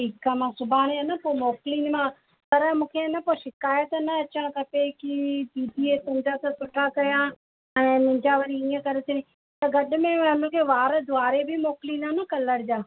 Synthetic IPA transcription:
ʈiːkamãsʊbʱaːɽ̃eənɐpoːmoːkɪliːnmã | pɐɾmũːkʰenɐpoʃɪkaːjət̪nɐɐt͡ɕãkɐpekit̪iːd̪ʱiet̪ʊ̃d͡ʑat̪ɐt̪ʊʈʰakɐɾijã | ɛ̃ːnɪ̃ɲd͡ʑaʋɐɾiiːə̃kɐɾet̪e | t̪ɐɡɐɗmẽɐnə̃kʰeʋaːɾd̪ʊaːɾebʱimoːkɪliːnanɐkɐləɾd͡ʑaː

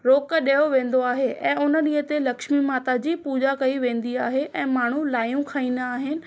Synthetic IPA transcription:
ɾoːkɗejoʋẽːn̆d̪oaːɦeʔɛ̃ːʊnə̆ɗĩːɦət̪elɐkʃmimaːt̪ad͡ʑiːpuːd͡ʑakɐiʋẽːn̆d̪iaːɦeʔɛ̃ːmaːɳ̤ulaːjũkʰaːĩːnd̪aːɦɪnɪ̆

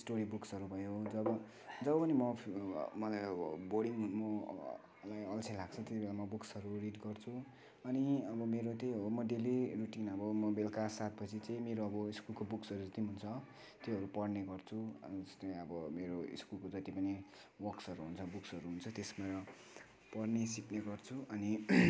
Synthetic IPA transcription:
sʈoɾibuksʌɾubʱʌjod͡zʌbʌ | d͡zʌbʌpʌnimʌmʌlajʌbʌbʌɽiŋmʌ | lajʌlt͡sʰʌjlaɡ̚t͡sʰʌt̪jet̪ibelamʌbuksʌɾuridɡʌrt͡sʰu | ʌniʌbʌmeɾot̪eɦomʌɖeliruʈinʌbʌmʌbelkasat̪̚bʌt͡sit͡sʌĩmeɾoʌbʌiskulkobuksʌɾud͡zʌt̪iɦunt͡sʰʌ | t̪jeɦʌɾupʌɽneɡʌrt͡sʰṵʌst̪ʌĩʌbʌmeɾoḭskulkod͡zʌt̪ipʌni | wʌksʌɾuɦunt͡sʰʌbuksʌɾuɦunt͡sʰʌt̪esmaɾʌ | pʌrnesikneɡʌrt͡sʰuʔʌni

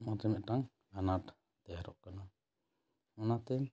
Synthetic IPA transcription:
matɛmɛʔʈaŋ | ɡanat | t̪ɛɦɾɔʔkəna | anat̪ɛ

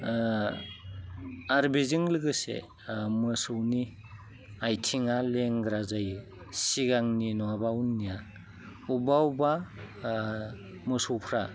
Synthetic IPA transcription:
aɾbizɯŋlɯɡɯsḛ | mɯsɯwni | ajtʰiŋaleŋɡɾazaj | siɡaŋninɔabawnːija | ubawba | mɯsowpʰɾa

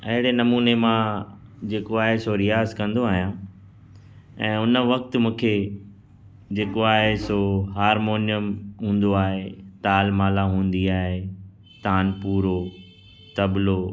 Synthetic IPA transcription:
ɐɦɪɽenɐmuːnemã | d͡ʑeːkoaːɦesoɾijaːzkɐ̃nd̪oaːɦijã | ɛ̃ːʊnə̆ʋɐk̚t̪̆mũːkʰe | d͡ʑeːkoaːɦesoɦaːɾmoːnijəmɦũːn̆d̪oaːɦet̪aːlmaːlaɦũːn̆d̪iaːɦe | t̪aːnpuːɾo | t̪ɐblo

